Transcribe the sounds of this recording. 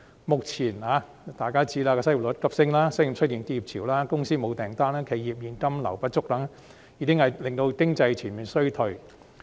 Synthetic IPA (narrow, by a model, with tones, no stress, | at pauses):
mʊ˨k̚t͡sʰiː˨˩nhaː˨˧ | t̪aː˨˩jkaː˥t͡siː˧˥laː˧kɛː˧sɐ˥jlʊ˨˥t̚kɐ˥p̚sɪ˧ŋlaː˥sɐ˥ji˨˩t͡ʃʰɵ˥t̚ji˨˧nt̪i˧˥ji˨p̚t͡sʰiː˨˩wlaː˥kʊ˥ŋsiː˥mo˨˧wt̪ɛː˨˩ŋt̪aː˥naː˥kʰe˨˧˩jiː˨p̚jiː˨˧nkɐ˥mlɐ̰˨˩wpɐ˥t̚t͡ʃʊ˥k̚t̪ɐ˨˥ŋ | jiː˨˧kɪ˥ŋhɐ˨˩jlɪ˨ŋt̪o˧wkɪ˥ŋt͡sɐ˧jt͡sʰiː˨˩nmiː˨˩nsɵ˥ɥt̪ʰɵ˨˩ɥ